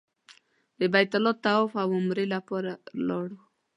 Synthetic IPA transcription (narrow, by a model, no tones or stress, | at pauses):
d̪əbajt̪alɔt̪ːaɔfawʊmɾelapɔɾalɔɽu